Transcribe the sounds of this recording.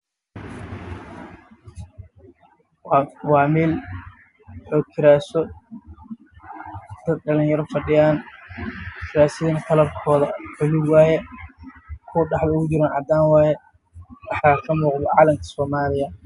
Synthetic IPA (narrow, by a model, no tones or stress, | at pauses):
wɑːmɛːl | ɔːkʰɪɾaːsɔ | d̪̥ɐd̪̚ɖɐliːnjɐɾɔfɐɖɪjaːn | kʰɪɾaːsɪðinɐt̪ʰɐlɐrkʰɔːðɐħʊlɪwɑːjɛ | kʰʊɖɑħd̪ɐʊd͡ʒɪɾɐnʕɑ̰d̪aːnwɑːjɛ | wɑħakʰɐmuːqd̪ɔʕɑːlɐmkʰɐ̥sɔːmaːlɪjɐ